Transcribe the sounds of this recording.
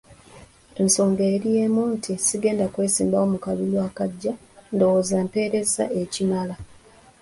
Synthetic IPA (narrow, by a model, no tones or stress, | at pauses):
e̞nso̞ːŋɡeːɾijeːmuːntʰisiɡe̞ːndakwe̞ːsiːmbao̞mukaβulwaːkaɟːa | ndo̞woːzampe̞ːɾe̞za̰e̞cimala